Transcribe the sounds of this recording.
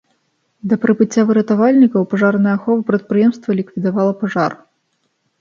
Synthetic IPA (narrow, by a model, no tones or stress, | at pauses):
d̪ɐpɾɨbɨt͡sʲːavɨɾɐt̪avalʲnʲikɐwpaʐarnɐjɐxɔvɨpɾɐt̪̚pɾɨjɛmst̪vɐlʲikvʲid̪avalˠɐpaʐar